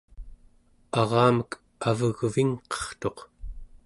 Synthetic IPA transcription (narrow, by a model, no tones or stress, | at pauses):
ɑʁɑːmək | avəɣviŋqʌ̥χt̪o̞q